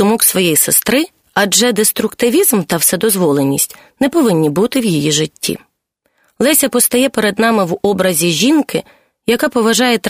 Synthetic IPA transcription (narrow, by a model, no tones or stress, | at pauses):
ʊmɔksʋɔjɛjsɪst̪ɾɪ | ɐd͡ʒɛd̪est̪ɾʊkt̪ɪʋʲizmt̪ɐwsɛd̪ɔzʋɔlˠenʲːisʲtʲ | nɛpɔʋɪnʲːibut̪ɪwjijiʒɪtʲːḭ | lˠɛsʲɐpɔst̪ɐjɛpeɾed̪nɑmɪwɔbɾɐzʲiʒʲinkɪ | jɐkɑpɔʋɐʒɑjɛt̪